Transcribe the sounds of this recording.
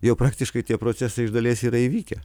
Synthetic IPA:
jɛʊpɾɑːkt̪ʲɪʃkɐɪt̪ʲiɛpɾoːsʲæsɐɪɪʒd̪ɐlʲeːsiːɾɐiʋʲiːkʲɛ

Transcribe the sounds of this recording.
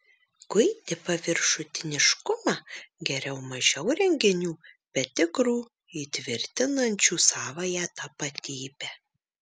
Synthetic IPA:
ɡʊɪd̪ʲɪpɐʋʲɪɾʃʊt̪ʲɪnʲɪʃkʊmɑɡʲɛɾʲɛʊmɐʒʲɛʊɾʲɛŋʲɡʲɪnʲuːbʲɛt̪ʲɪkɾuː | iːt̪ʲʋʲɪɾʲt̪ʲɪnɐnʲt͡ʃʲuːsɑːʋɐjæːt̪ɐpɐt̪ʲiːbʲɛ

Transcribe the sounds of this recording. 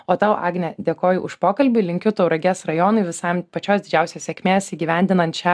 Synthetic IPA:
oːt̪ɑʊʔɑːɡnʲɛd̪ʲeːkoːjʊʔʊʃpoːkɐlʲbʲʊlʲɪŋʲkʲʊt̪ɐʊɾɐɡʲeːsɾɐjoːnɐɪʋʲɪsɐɪmpɐt͡ʃʲoːsd̪ʲɪd͡ʒʲæˑʊsʲesʲeːkʲmʲeːsiːɡʲiːʋʲæˑnʲd̪ʲɪnɐnt̪t͡ʃʲɛ

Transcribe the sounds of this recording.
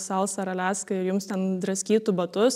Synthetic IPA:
sɐlˠsɐɾɐlʲæːskɐɪɾjʊmst̪ʲɛnd̪ɾɐsʲkʲiːt̪ʊbɐt̪ʊs

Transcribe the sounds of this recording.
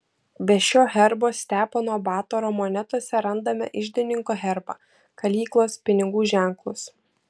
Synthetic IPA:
bʲɛʃʲoːɣʲɛɾboːsʲt̪ʲæːponɔbɑːt̪oɾoːmoːnʲɛt̪uɔsʲɛɾɐnd̪ɐmʲɛ̰ʔɪʒʲd̪ʲɪnʲɪŋkoːɣʲɛɾbɑ̰ː | kɐlʲiːklˠoːspʲɪnʲɪɡuːʒʲæˑŋklˠʊs

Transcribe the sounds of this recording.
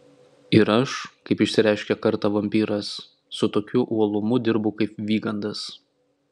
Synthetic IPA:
ɪɾɐʃkɐɪpɪʃʲsʲɪɾʲæˑɪʃʲkʲɛkɐɾt̪ɑʋɐmʲpʲiːɾɐsː | ʊt̪oːkʲʊʔuɔlˠʊmʊd̪ʲɪɾbʊkɐɪp̚ʋʲiːɡɐnd̪ɐs

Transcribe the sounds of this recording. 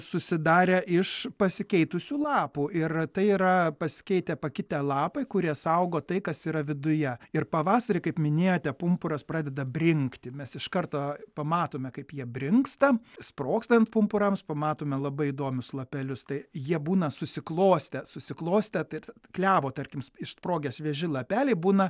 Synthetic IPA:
sʊsʲɪd̪ɑːɾʲɛʔɪʃpɐsʲɪkʲɛɪt̪ʊsʲuːlˠɑːpuːʔɪrt̪ɐɪiɾɐpɐsʲɪ̥kʲɛɪt̪ʲɛpɐkʲɪt̪ʲɛlˠɑːpɐɪkʊɾʲiɛsɐʊɡoːt̪ɐɪkɐsiːɾɐʋʲɪd̪ʊjɛɪrpɐʋɑːsɐɾʲɪkɐɪpmʲɪnʲeːjoːt̪ʲɛpʊmpʊɾɐspɾɑːd̪ʲɛd̪ɐbʲrʲɪŋkt̪ʲɪmʲɛsɪʃkɐrt̪oːpɐmɑːt̪oːmʲɛkɐɪpjiɛbʲrʲɪŋkst̪ɐsproːkst̪ɐnt̪pʊmpʊɾɐmspɐmɑːt̪oːmʲɛlˠɐbɐɪɪd̪oːmʲʊslˠɐpʲɛlʲʊst̪ɐɪjiɛbuːnɐsʊsʲɪklˠoːsʲt̪ʲɛsʊsʲɪklˠoːsʲt̪ʲɛt̪ɪ | klʲæːʋoːt̪ɐrʲkʲɪmsɪʃspɾoːɡʲɛsʋʲɛʒʲɪlˠɐpʲæːlʲɛɪbuːnɐ

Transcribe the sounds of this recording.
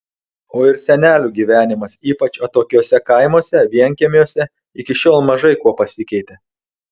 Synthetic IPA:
oːɪɾsʲɛnʲæːlʲuːɡʲiːʋʲæːnʲɪmɐsiːpɐt͡ʃɐt̪oːkʲuːsʲɛkɐɪmoːsʲɛʋʲiɛŋʲkʲeɛmʲjuːsʲɛ | ɪkʲɪʃʲoːlˠmɐʒɐɪkuɔpɐsʲɪkʲɛɪt̪ʲe

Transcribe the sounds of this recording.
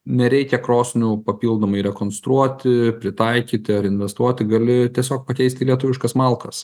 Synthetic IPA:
nʲɛɾʲɛɪkʲɛkɾoːsʲnʲupɐpʲiːlˠd̪oːmɐɪɾʲɛkoːnst̪ɾuɔt̪ʲɪpʲɾʲɪt̪ɐɪkʲiːt̪ʲɪɐɾɪnʲʋʲɛst̪uɔt̪ʲɪɡɐlʲɪt̪ʲiɛsʲoːkpɐkʲɛɪsʲt̪ʲɪlʲiɛt̪ʊʋʲɪʃkɐsmɐlˠkɐs

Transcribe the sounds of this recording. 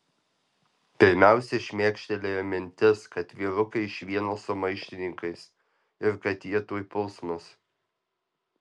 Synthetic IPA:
pʲɪɾʲmʲæˑʊsʲɛʃʲmʲeːkʃʲt̪ʲɛlʲeːjɛmʲɪnʲt̪ʲɪskɐt̪ʋʲiːɾʊkɐɪʃʲʋʲiɛnoːsʊmɐɪʃʲt̪ʲɪnʲɪŋkɐɪs | ɪɾkɐt̪jiɛt̪uɔjpʊlˠsmʊs

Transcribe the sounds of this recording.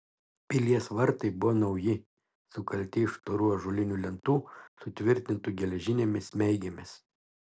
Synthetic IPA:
pʲɪlʲiɛsʋɐɾt̪ɐɪbʊʋonɒʊjɪ | sʊkɐlʲt̪ʲɪɪʃt̪oɾuɔʒʊlʲɪnʲuːlʲɛnt̪uːsʊt̪ʲʋʲɪɾʲt̪ʲɪnt̪uːˑɡʲɛlʲɛʒʲɪnʲeːmʲɪsʲmʲɛɪɡʲɛmʲɪs

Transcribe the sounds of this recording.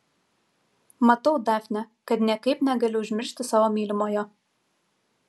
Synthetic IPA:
mɐt̪ɐʊd̪ɑːfʲnʲɛkɐt̪nʲɛkɐɪpnʲɛɡɐlʲʊʊʒʲmʲɪɾʲʃʲt̪ʲɪsɑːʋoːmʲiːlʲɪmoːjoː

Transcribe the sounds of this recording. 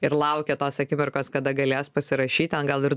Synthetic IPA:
ɪɾlˠɐʊkʲɛt̪oːsɐkʲɪmʲɪrkoːskɐd̪ɐɡɐlʲeːspɐsʲɪɾɐʃʲiːt̪ʲɐnɡɐlˠɪɾ

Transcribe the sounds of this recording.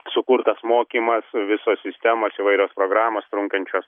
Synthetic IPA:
sʊkʊrt̪ɐsmoːkʲiːmɐsʋʲɪsoːssʲɪsʲt̪ʲɛmoːsiʋɐɪɾʲoːspɾoːɡɾɑːmoːst̪ɾʊŋkɐnʲt͡ʃʲoːs

